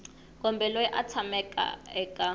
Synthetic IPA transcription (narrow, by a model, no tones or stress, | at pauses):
k̬ɔmbɛlɔjɛʔat͡sʰamɛkʼa̰ɛkʼa